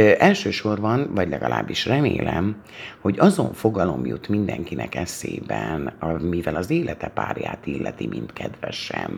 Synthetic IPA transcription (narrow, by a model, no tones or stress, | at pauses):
ʔɛlʃøːʃo̞rbɒnvɒɟlɛɡɒlʔa̰ːbːiʃrɛmeːlɛm | ho̞ɟɒzo̞ɱfo̞ɡɒlo̞mjut̪mind̪ɛŋkinʔɛkɛseːbɛnɒmivɛlɒzeːlɛt̪ɛpaːrjaːt̪ilːɛt̪imʔint̪kʰɛd̪ʋɛʃɛm